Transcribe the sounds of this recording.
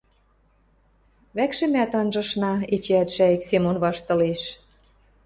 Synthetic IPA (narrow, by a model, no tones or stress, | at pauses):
βækʃɘ̆mæt̪ɑnʒɤ̆ʃnɑet͡ɕeæt̪ʃæeksemonβɑʃt̪ɤ̆leʃ